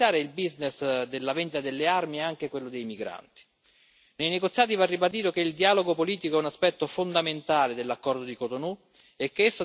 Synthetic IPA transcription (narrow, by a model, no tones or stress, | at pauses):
jaːɾeilbiznesd̪elːavɛnd̪it̪ad̪elːearmiɛaŋk̟ekwelːod̪ejmiɡɾa̰nt̪i̥ | nejneɡot̪sjaːt̪ivarːibad̪iːt̪ok̟eild̪iaːloɡopoliːt̪ikoɛunaspɛt̪ːofond̪ament̪aːled̪elːakːɔrd̪od̪ikot̪onu | ekːeesːo